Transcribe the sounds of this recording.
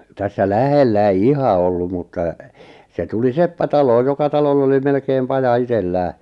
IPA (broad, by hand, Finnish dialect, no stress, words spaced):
tæsːæ læhelːæ ei ihɑ olːum̆ mutːɑ se tuli sepːæ tɑloːj jokɑ tɑlolː oli melkeːm pɑjɑ itelːæː